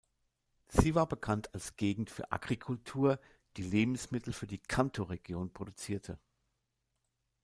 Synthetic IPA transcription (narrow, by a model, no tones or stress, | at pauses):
z̥iːvaːɐbəkʰantalsɡ̥eːɡŋ̩tfyːɐʔa̰ɡʁikʰʊltʰuːɐ | d̥iːleːbm̩smɪtʰl̩fyːɐdiːkʰantʰoʁeɡjoːnpʁ̥odut͡siːɐtʰə